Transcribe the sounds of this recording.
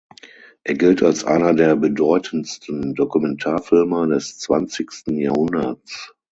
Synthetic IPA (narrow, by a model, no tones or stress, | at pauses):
ʔeːɐɡɪltalsʔa̰ɪnɐdeːɐbədɔʏtʰənstn̩dokumɛntʰaːɐfɪlmɐdɛst͡sv̥a̰nt͡sɪçstn̩jaːhʊndɐt͡s